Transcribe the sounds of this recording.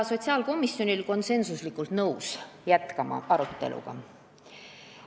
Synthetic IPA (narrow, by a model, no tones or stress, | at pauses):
so̞t̪ʲsiɑːlko̞misjo̞nilko̞nse̞nsuslikːˑult̪nɤwsjæt̪kɑmɑ̰ʔɑɾut̪ˑːe̞̰lṵɡ̥ɑ̰